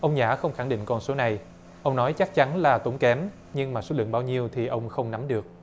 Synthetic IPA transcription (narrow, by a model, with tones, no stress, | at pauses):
ʔə˧wŋ͡mɲaː˧˩xə˧wŋ͡mxa˧˩ŋɗḭ˧˨ŋ̟kɔ˧nso˨˦na˨˩j | ʔə˧wŋ͡mnɔ˨˦jt͡ɕa˦˥k̚t͡ɕa˨˦nlaː˨˩t̪o˨˦ŋ͡mkɛ˨˦m | ɲɨ˧ŋmaː˨˩so˨˦lɨ̰˧˨əŋɓaː˧wɲi˧əwt̪ʰi˨˩ʔə˧wŋ͡mxə˧wŋ͡mna˨˦mɗɨ˨˩ək̚